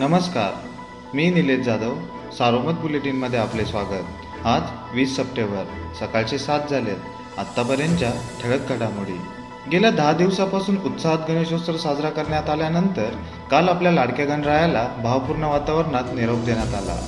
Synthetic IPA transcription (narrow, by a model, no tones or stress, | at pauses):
nəməska̰ɾ | miːnilet̪̚d͡zad̪əw | saɾomət̪̚buleʈiːnməd̪ʱːjeaplesʋaɡət̪̚ | ɦat̪ | ʋiːsːəpʈẽʋbəɾsəkaɭt͡ɕesat̪̚d͡zʱalet̪ | a̰t̪ːapəɾjaɲt͡ɕjaʈʰəɭək̚ɡʱaɽamuɽḭ | ɡeljad̪ʱad̪iʋsapasuːnut̪saɦat̪̚ɡʱəɽ̃eɕõst̪əɾsad͡zɾakəɾɳjat̪aljanənt̪əɾ | kalapljalaɽkjaɡəɳɖɾajalabʱaʋpuɾɳəʋat̪aʋəɾnat̪niɾop̚d̪eɳjat̪ala̰